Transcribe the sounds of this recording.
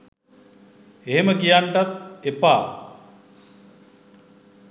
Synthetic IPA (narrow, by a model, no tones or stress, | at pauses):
eɦeməkijaɳʈat̪̚epaː